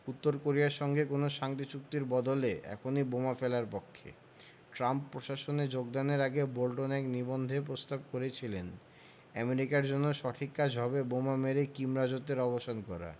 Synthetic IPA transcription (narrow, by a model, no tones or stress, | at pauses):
ut̪ːoɾkoɾiaɾʃɔŋɡekonoʃaŋt̪it͡ɕuk̚t̪iɾbɔd̪oleɛ̰kʰonibomafelaɾpɔkʰːḛ | ʈɾampːɾoʃaʃoned͡ʑoɡ̚d̪aneɾaɡebolʈonɛknibond̪ʱepɾost̪ab̚koɾet͡ɕʰilen | ɛmeɾikaɾd͡ʑonːoʃɔʈʰikːad͡ʑʱɦɔbebomameɾekimɾad͡ʑot̪ːeɾɔboʃankɔɾa̰